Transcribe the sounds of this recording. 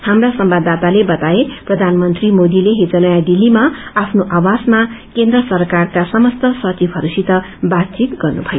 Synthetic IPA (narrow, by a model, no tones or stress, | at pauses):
hamrasʌmbad̪at̪alebʌt̪aeprʌd̪ʱanmʌnt̪rimod̪ileɦed͡zʌnʌjad̪ilːimaapʰnoʔawasmakend̪rʌsʌrkarkasʌmʌst̪ʌsʌt͡sibɦʌɾusit̪ʌ | bat̪t͡sit̪ɡʌrnubʱʌjo